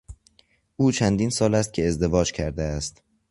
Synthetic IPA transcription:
ʔuːt͡ʃʰænd̪iːnsɒːlæst̪̚cʰʲe̞ezd̪e̞vɒːd͡ʒcʰæɾd̪eæst̪

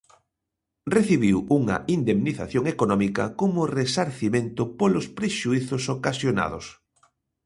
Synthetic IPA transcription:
reθiβ̞iwuŋɐ̰ind̪emniθa̰θjoŋekonɔmikɐkomʊresaɾθimẽnt̪ʊpolospɾeʃuiθʊsokasjona̰ðʊ̰s

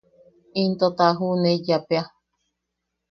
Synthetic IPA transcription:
int̪ot̪aɦuneijapea

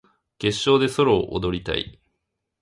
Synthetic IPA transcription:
ke̞ɕːo̞ːd̪e̞so̞ɾo̞ːʔod̪o̞ɾʲit̪a̰ḭ

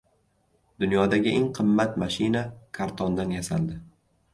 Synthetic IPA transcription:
d̪̥ʊnjɒd̪aɡʲɪʔeŋqʰɨmːat̪maʃɪnakʰaɾt̪ʰɒnd̪anjasa̰ld̪ɪ

